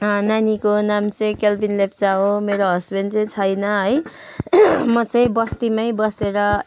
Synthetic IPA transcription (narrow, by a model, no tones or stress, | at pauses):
ʌnanikonamt͡sʌĩkelbinlep̚t͡saɦomeɾoɦʌsbent͡sʌ̃ĩt͡sʰʌjnʌɦʌj | mʌt͡sʌ̃j̃bʌst̪imajbʌseɾʌ